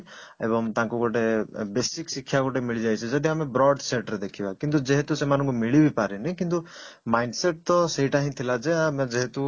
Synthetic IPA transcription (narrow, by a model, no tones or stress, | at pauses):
ḛbɔŋt̪ãŋkuɡɔʈebesiksikʰːjaɡɔʈemiɭid͡ʒajt͡ʃʰɔd͡ʒad̪iamebɾɔɖseʈɾed̪ekʰibakint̪̬ud͡ʒeɦet̪usemanɔ̃ŋkumiɭibipaɾinɛkint̪umajɳɖseʈ̚t̪ɔseɦiʈaɦĩt̪ʰilad͡ʒed͡ʒeɦet̪u